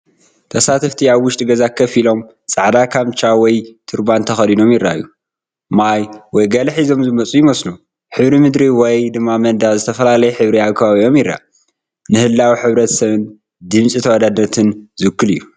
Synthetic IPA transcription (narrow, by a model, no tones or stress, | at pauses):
t̪ʰɐsat̪ʰɐft̪ʰiaβwːʊʃt̪ʼiɡɐzakʰːɐfilo̞m | t͡sʼaʕd̪akʰamt͡ʃʰawɔjt̪ʰɨɾbant̪ʰɐxɐlino̞mjɪrːa̰jːu | majwɔjɡɐlħizo̞mzɨmɐt͡sʼujɪmɐslu | ħɨβɾimɨd̪ɾiwɔjd̪ɨmːamɐnd̪azɨt̪ʰɐfɐlalɐjɛħɨβɾiaβkʰɐβaβio̞mjɪrːa̰ | nɨhɨlːawiħɨβɾɐt̪sɐβɨn | d̪ɨmsʼit̪ʰɐwad̪ad̪nɐt̪ʰɨnzɨkːɨlɨjːu